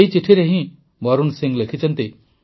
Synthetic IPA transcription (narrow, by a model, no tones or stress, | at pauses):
jt͡siʈʰiɾeɦĩ | bʌɾunsiŋɡlekʰit͡sʰʌnt̪i